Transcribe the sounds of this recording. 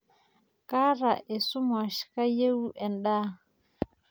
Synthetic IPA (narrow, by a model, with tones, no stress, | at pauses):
ka˦ɾa˨ʔe˨su˦ma˨ʃka˦je˦wu˦ʔɛ˨nɗa˦